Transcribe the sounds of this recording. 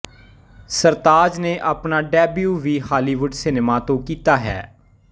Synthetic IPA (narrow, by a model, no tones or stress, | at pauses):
səɾt̪aːd͡ʒneːʔaːpnaːɖɛːbjuːʋiːhaːliːʋʊɖsɪnemaːt̪õːkiːt̪aːɦɛ̰ː